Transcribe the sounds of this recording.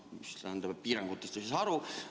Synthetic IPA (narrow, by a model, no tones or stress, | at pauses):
mist̪æhænd̪ɑbpiːɾɑŋɡ̥ut̪ːˑest̪esesɑɾu